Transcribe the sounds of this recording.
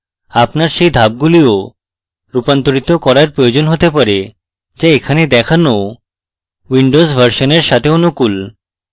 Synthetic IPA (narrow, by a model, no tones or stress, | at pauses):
apnaɾʃejd̪ʱab̚ɡulio | ɾupant̪oɾit̪okɔɾaɾpɾojod͡ʑonɦot̪epaɾe | d͡ʑaekʰaned̪ɛkʰano | wiɳɖosbʱəɾʃoneɾʃat̪ʰeonukul